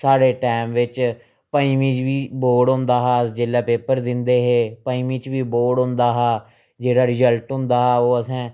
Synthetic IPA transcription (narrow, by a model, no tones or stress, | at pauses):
saːɽeːʈaːmʋɪt͡ʃ | paːiːmĩːt͡ʃʋiːboːɖɦʊ̃nd̪aːɦaːd͡ʒeːlaːpeːpəɾd̪ɪnd̪eːɦeːpaːiːmiːt͡ʃʋiːboːɖɦʊ̃nd̪aːɦaː | d͡ʒeːɽaːɾɪzəlʈɦʊ̃nd̪aːɦaːoːəsãː